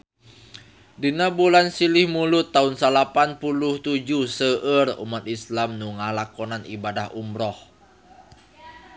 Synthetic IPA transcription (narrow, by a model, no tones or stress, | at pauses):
dinabulansilɪhmulʊt̪ːaunsalapanpuluht̪ud͡ʒusəʔərṵmat̪̚islamnuŋalakɔnanibadahumɾɔh